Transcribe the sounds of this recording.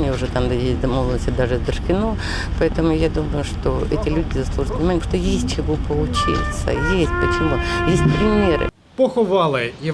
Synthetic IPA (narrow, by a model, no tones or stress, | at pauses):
nʲɪʊʐɛt̪amd̪jesʲt̚ʲd̪ɐmolˠənəsʲt̪ʲɪd̪aʐɨzʲd̪ʂkʲɪno | pɐɛt̪əmʊjad̪uməjʊʂt̪o̞ʔɛtʲɪlʲudʲɪzɐslˠuʐɨt̪pənʲɪmanʲɪkpʂt̪ojesʲt̚ʲt͡ɕɪvupəlˠʊt͡ɕḭt̪sə̰jesʲt̚ʲpət͡ɕɪmujesʲt̚ʲpɾʲɪmʲe̞ɾɨ̰ | poxʊʋɑlˠɨjɪ